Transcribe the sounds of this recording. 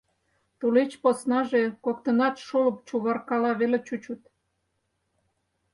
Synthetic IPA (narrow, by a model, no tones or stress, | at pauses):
t̪ulet͡ɕposnɑʒekokt̪ənɑt̪ʃolə̆pt͡ɕuβɑrkɑlɑβelet͡ɕut͡ɕut̪̚